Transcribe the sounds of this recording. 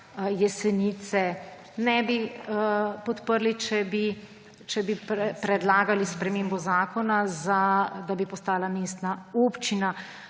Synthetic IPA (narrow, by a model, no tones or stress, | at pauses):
jɛsɛnit̪sɛ | nɛbi | pɔt̪pəɾlit͡ʃɛbi | t͡ʃɛbipɾɛpɾɛd̪laːɡalispɾɛmeːmbɔzaːkɔnazad̪abipɔst̪aːlameːst̪naoːpt͡ʃina